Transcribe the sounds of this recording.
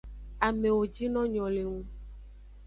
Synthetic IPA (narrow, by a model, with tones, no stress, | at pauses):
a˨me˨wo˨d͡ʒi˦nɔ̃˦ɲɔ̃˨le˨ŋũ˦